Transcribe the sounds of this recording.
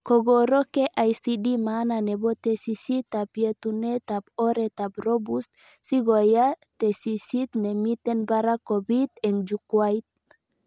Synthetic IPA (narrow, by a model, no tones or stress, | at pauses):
koɡoɾokeʔajsidimananebot̪esisit̪apjet̪unet̪aboɾet̪abɾobust̪ | siɡoja | t̪esisit̪nemit̪enbaɾakobit̪end͡ʒukwajt̪̚